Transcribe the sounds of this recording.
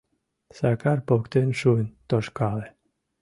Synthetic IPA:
sakaɾpokt̪enʃunt̪oʃkale

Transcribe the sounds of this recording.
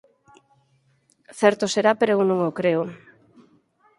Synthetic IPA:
θɛɾt̪oseɾapeɾoewnõŋokɾeʊ

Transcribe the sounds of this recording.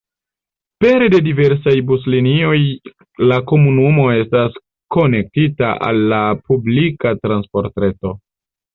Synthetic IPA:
pe̞ɾede̞dive̞ɾsajbuslinio̞j | lako̞munumo̞e̞stas | ko̞ne̞k̚tita̰ʔa̰lːapublikatɾanspo̞ɾtɾe̞to̞

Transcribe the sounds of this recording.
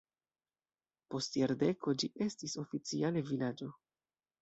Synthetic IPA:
po̞stjaɾde̞ko̞d͡ʒiʔe̞stiso̞fit͡siale̞vilad͡ʒo̞

